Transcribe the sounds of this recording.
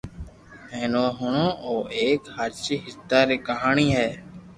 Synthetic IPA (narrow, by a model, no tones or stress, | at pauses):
ɦeːnoːɦʊɳõːʔoːʔeːkhaɾt͡ʃiːɦɪst̪aːɾeːkəɦaːɳiːɦɛː